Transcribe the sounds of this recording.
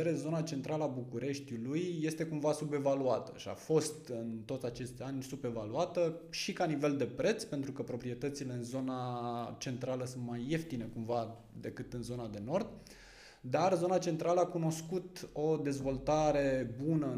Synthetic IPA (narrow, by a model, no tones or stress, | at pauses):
eɾe̞zo̞nat͡ʃe̞nt̪ɾalabukuɾe̞ʃt̪ilujːe̞st̪e̞kumvasube̞valuat̪ə̰ʃia̰fo̞st̪ɨnt̪o̞t̪sʲat͡ʃe̞st̪ʲanʲsube̞valuat̪əʃikanive̞ld̪e̞pɾe̞t̪spe̞nt̪ɾukəpɾo̞pɾie̞t̪ət̪sile̞ɨnzo̞nat͡ʃe̞nt̪ɾaləsunt̪maje̞ft̪ine̞kumva | d̪e̞kɨt̪ɨnzo̞nad̪e̞no̞rd̪ | d̪arzo̞nat͡ʃe̞nt̪ɾaləakuno̞skut̪o̞d̪e̞zvo̞lt̪aɾe̞bunə